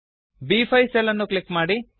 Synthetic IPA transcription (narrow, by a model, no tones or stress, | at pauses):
biːpʰɐjsɛlɐnːuklikːmaːɽi